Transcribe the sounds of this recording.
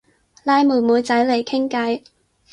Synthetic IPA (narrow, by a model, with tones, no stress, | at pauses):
laː˧jmuː˨˩muː˨˧jt͡sɐ˨˥jle˨˩jkʰɪ˥ŋkɐ˨˥j